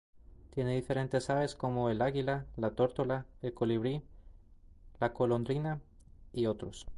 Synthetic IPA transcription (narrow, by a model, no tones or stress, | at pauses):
t̪je̞neðife̞ɾe̞nt̪e̞saβe̞sko̞moelaɣilalat̪o̞ɾt̪olaelko̞liβ̞ɾi | lako̞lo̞nd̪ɾina | io̞t̪ɾos